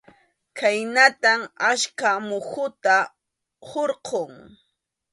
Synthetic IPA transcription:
kʰajnat̪amaʃkamʊxʊt̪a | hoɾqʰoŋ

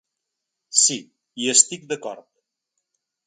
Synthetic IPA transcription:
si | iest̪ik̚d̪əkɔɾt̪̚

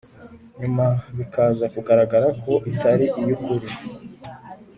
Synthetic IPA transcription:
ɲumaβikʰazakuɡaɾaɡaɾakʰo̞ʔitʰaɾiʔijukuɾi

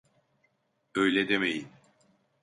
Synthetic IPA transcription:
ø̞jlʲɛd̪emejin

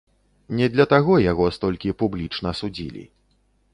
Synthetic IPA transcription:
nʲɛd̪lʲɐt̪aɣɔjaɣɔst̪ɔlʲkʲipublʲit͡ʂnɐsud͡zʲḭlʲḭ

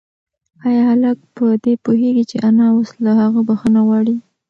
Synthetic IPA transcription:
ɑjɑhaləkpəd̪epuɦeɡit͡ʃeʔanɑwoslahaɣəbaxənaɣwɑɽi

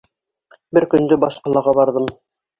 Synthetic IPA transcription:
bɘɾkɵ̆nd̪ɵbɑʃqɑlˠɑʁɑbɑɾðɤm

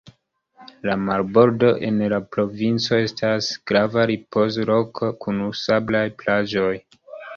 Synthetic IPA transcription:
lamalbo̞ɾdo̞ʔe̞nlapɾo̞vint͡so̞e̞stasɡ̥ɾavaɾipo̞zɾo̞kkunusablajplad͡ʒo̞j

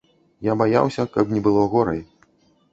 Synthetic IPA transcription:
jabaja̰wsʲɐkɐbnʲɛbɨlˠɔɣɔɾɐj

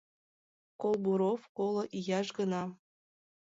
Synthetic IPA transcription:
kolˠbuɾofkolˠŏʔijɑʃɡənɑ

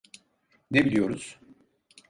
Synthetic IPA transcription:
nebilʲijoɾuz̥

